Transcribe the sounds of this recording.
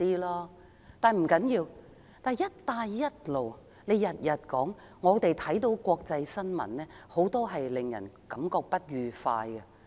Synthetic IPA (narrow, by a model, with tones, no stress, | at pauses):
iː˥lɔː˥ | t̪aː˨˩nm̩˨˩kɐ˨˥njiː˧w | t̪aː˨˩jjɐ˥t̚t̪aː˧jːɐ˥t̚lo˨w | le˨˧jɐ˨t̚jɐ˨t̚kɔː˨˥ŋ | ŋɔː˨˧t̪e˨jt̪ʰɐ˨˥jt̪o˨˥wkʷwɔː˧k̚t͡sɐ˧jsɐ˥nmɐ̰˨˩nnɛː˥ho˨˥wt̪ɔː˥ɦɐ˨jlɪ˨ŋjɐ̰˨˩nkɐ˨˥mkɔː˧k̚pɐ˥t̚ɥyː˨fa̰ː˧jɡɐ˧